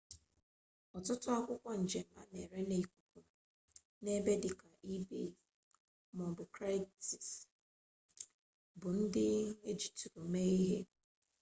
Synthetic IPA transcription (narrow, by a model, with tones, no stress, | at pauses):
ɔ˨tʊ˦tʊ˦a˦kʷʊ˦kʷa˦n̩˨d͡ʒe˨m̩˨a̰˦˨ne˨ɾe˦ne˨i˨kʷu˨kʊ˨ | ne˦be˦dɪ˨ka˨ʔi˦be˦ | mɔ˨bʊ˨kɾa˦ti˨s | bʊ˨n̩˦dɪ˦e˦d͡ʒi̥˨tu˨ɾo˨me˦i˦ɦe˦